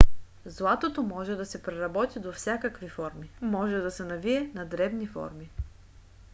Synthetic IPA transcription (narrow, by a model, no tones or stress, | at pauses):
zlˠat̪ot̪omɔʒɛd̪ɐsɛpɾɛɾɐbɔt̪id̪ofsʲjakəkvifɔɾmimɔʒɛd̪ɐsɛnɐviɛnɐd̪ɾɛbnifɔ̰ɾmi